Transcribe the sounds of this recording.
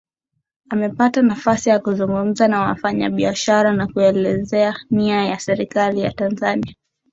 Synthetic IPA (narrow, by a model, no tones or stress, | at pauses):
amɛpatanafasijakuzuŋɡum̩zanawa̰faɲa̰ɓiaʃaɾanakuɛlɛzɛaniajasɛɾikalija̰tanzania